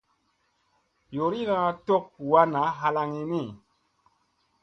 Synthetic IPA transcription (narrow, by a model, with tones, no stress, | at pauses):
jo˨ɾi˦ɣa˦to˦k̚wa˧na˨˦ɦa˧la˧ŋi˧ni˦˨